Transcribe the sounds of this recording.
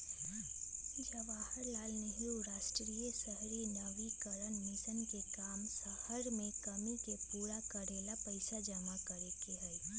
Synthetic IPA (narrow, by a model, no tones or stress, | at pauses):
id͡ʒaʋaːhəɾlaːlneɦiuɾaːʃʈɾiːjəsəɦɾinɐʋikəɾənmɪsənkekaːmsahəɾmẽkɐmikepuːɾakɐɾeːlapəɪsad͡ʒɐmakɐɾekeɦɛ